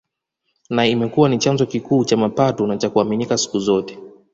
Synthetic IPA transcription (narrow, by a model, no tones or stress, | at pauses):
naimɛkuwanit͡ʃanzɔkikuːt͡ʃamapatunat͡ʃakuaminikasi̥kuzɔtɛ̥